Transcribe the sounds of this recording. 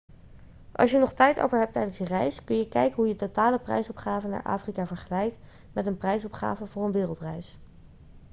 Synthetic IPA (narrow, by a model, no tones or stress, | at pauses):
ʔɑ̰sjənɔχtɛjto̰wvəɹɦɛp̚tɛjdənsjərɛjskɵnjəkɛjkənɦujətotaːləprɛ̰jsɔpχaːvəna̰ːɹʔa̰ːfrikaːvəɹχəlɛjkt | mɛtənprɛjsɔpχa̰ːvəvʊːɹənʋɪːrəlˠtrɛjs